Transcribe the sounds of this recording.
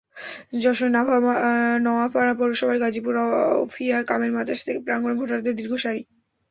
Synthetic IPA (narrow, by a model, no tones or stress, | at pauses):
d͡ʑɔʃonabʱnɔapaapɔɾoʃɔbʱaɾɡad͡ʑipuɾɔfʰiakameɾmad͡ʑaʃat̪ʰekepɾaŋɡɾomɡʱoʈoɾat̪ed̪iɾɡʱoʃaɾi